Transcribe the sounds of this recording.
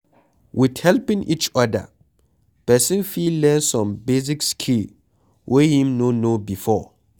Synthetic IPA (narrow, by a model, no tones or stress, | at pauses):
wʔɪdhɛlpɪ̃ŋʔit͡ʃɔda̰ | pʰɛsɪ̃nfillɛ̃nsɔ̃mbez̬ikskʰil | wʔɛhĩmnõnõbifɔ